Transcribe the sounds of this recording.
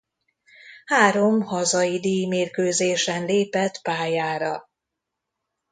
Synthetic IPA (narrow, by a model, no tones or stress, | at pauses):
haːɾo̞mhɒzɒjid̪iːjmeːrkøːzeːʃɛnleːpɛt̪paːjaːɾɒ